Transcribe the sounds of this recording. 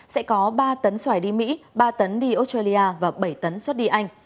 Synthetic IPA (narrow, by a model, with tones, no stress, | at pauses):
sɛ̰˧˥kɔ˨˦ɓaː˧t̪ə˨˦nswaː˧˩jɗi˧mḭ˧˥ɓaː˧t̪ə˨˦nɗi˧ʔo˧˦˥stwaː˧li˧ʔaː˧vaː˨˩ɓə˧˩jt̪ə˨˦nswə˦˥t̚ɗi˧ʔa˧jŋ̟